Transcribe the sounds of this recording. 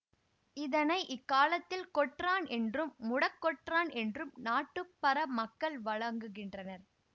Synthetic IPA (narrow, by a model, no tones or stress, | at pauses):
ɪðɐnɐɪʔɪkːaːlɐt̪ːɪlkɔʈraːnɛndrɯmːʊɽɐkːɔʈraːnɛndrɯmnaːʈːɯpːɐɾɐmɐkːɐɭʋɐɻɐŋɡɯɣɪndrɐnɐɾ